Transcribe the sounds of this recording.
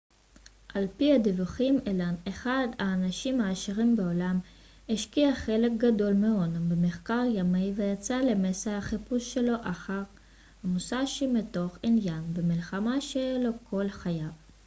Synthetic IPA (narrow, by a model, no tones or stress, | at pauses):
ʔalpihadivuχimelaneχad̪aːnaʃimaːʃiʁimbeolam | eʃkiaχe̞lek̚ɡado̞lmeonabemeχkaʁjamive̞jat͡sale̞mesahaχipusʃe̞lo̞ʔaχaʁ | hamusaʃimeto̞χinjanbemilχamaʃeelo̞kʰo̞lχajav